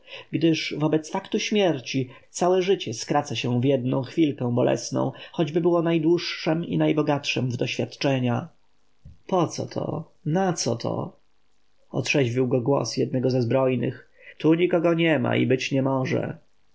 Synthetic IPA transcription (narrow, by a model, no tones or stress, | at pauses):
ɡd̪ɘʂvɔbɛt̪sfakt̪uɕmʲjɛɾt͡ɕit̪sawɛʐɘt͡ɕɛskɾat̪saɕɛ̃w̃vjɛd̪nɔ̰̃w̃xfʲilkɛ̃w̃bɔlʔɛ̰snɔ̰̃w̃xɔd͡ʑbɘbɘwɔnajd̪wuʂːɛmḭnajbɔɡatʂɛmvd̪ɔɕfʲjat̪t͡ʂɛɲa | pɔt̪sɔ̰t̪ʰɔ̰ | nat̪sɔ̰t̪ʰɔ̰ | ɔ̰t̪ʂɛʑvʲiwɡɔɡwɔ̰sjɛd̪nɛɡɔzɛzbɾɔjnɘ̰x | t̪uɲikɔɡɔɲɛma̰ḭbɘt͡ɕɲɛmɔʐɛ̰